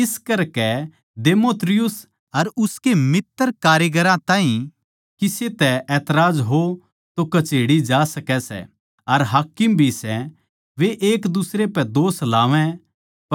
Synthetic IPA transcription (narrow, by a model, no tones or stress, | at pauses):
ɪskɐɾkɛ | deːmoːt̪ɾɪjʊs | ɐɾʊskemɪt̪ːəɾkaːɾjəɡəɾãt̪ãːɦĩ | kiset̪ɛʔɛːt̪ɾaːd͡ʒɦo | t̪okɐt͡ʃeːɽid͡ʒaːsɐkɛsɛ̰ | ɐɾɦaːkɪmbʱisɛ | ʋeʔeːkd̪ʊsɾepɛd̪oːslaːʋɛ̃ | p